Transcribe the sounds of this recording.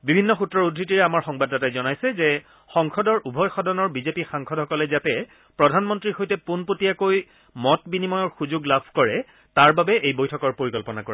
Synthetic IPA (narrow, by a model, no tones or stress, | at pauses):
bibʱinːɔxutːɹɔɹudʱɹitiɹɛamaɹxɔŋbadːatajzɔnajsɛzɛ | xɔŋkʰɔdɔɹubʱɔjxɔdɔnɔɹbizepixaŋkʰɔdhɔkɔlɛzatɛ | pɹɔdʱanmɔntɹixojtɛpunpotijakoj | mɔtbinimɔjɔɹxuzoɡlabʱkɔɹɛ | taɹbabɛʔejbojtʰɔkɔɹpoɹikɔlpɔnakɔɹɛ